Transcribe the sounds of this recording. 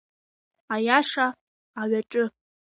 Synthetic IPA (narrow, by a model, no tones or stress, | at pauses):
ajaʂaː | ɥaʈ͡ʂʼɨ